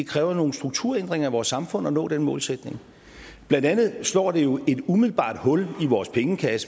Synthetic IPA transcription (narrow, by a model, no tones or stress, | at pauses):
e̝kʰʁɛːʊɐno̝ːn̩sd̥ʁuɡ̥̚t͡sʰuɐ̰end̥ʁeŋɐæʋɒːsːɑ̈mfɔ̽n̰ɒ̽nɔ̰̽ːd̥enmɔ̽ːlsed̥ne̝ŋ | b̥lænd̥ænð̩ˠslɒ̰ːd̥e̝jo̝e̝d̥umiðˠl̩b̥ɑ̰̈ːd̥hɔ̽liʋɒːspʰeŋəkʰæsə